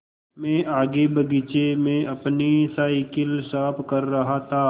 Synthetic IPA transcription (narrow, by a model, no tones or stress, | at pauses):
mɛ̃ːʔaːɡebɐɡit͡ʃemẽɐpnisaikɪlsaːpʰkɐɾːɐɦat̪ʰaː